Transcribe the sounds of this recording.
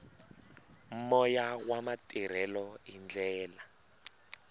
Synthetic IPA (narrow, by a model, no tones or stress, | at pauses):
m̩mɔjawamatʼiɾ̤ɛlɔind͡ɮɛːla